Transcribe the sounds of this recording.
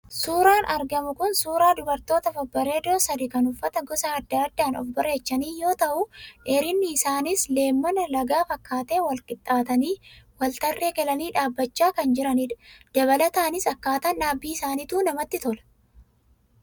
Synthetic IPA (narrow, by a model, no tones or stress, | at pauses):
suːɾaːnʔɐɾɡɐmʊkʊnsuːɾaːd̪ʊbɐɾt̪o̞ːt̪ɐfɐbːɐɾe̞ːd̪o̞ːsɐd̪ɪkɐnʊfːɐt̪ɐɡɔsɐːd̪ːɐːd̪ːaːnɔ̰fbɐre̞ːt͡ʃːɐniːjo̞ːt̪ɐʔʊʔɛɾɪnːɪːsaːnɪsle̞ːmːɐnɐlɐɡaːfɐkːaːt̪e̞ːwɐlkʼɪt̪ʼːaːt̪ɐniːwɐlt̪ɐrːe̞ːɡɛlɐniːᶑaːbːɐt͡ʃːaːkɐnd͡ʒɪɾɐniːᶑd̪̥ɐβɐlɐt̪aːnɪsɐkːaːt̪ɐnːaːbːiːɪsaːniːt̪uːnɐmɐt̪ːɪt̪ɔlɐ̥